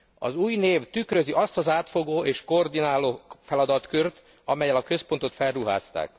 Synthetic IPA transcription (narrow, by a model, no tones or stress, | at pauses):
ɒ̰zuːjneːvt̪ykrø̞ziʔɒst̪ɒzaːt̪fo̞ɡoːeːʃkoːrd̪inaːloːfɛlɒd̪ɒt̪kørt̪ | ɒmɛjɛlɒkø̞spo̞nt̪o̞t̪fɛrruɦa̰ːst̪a̰ːk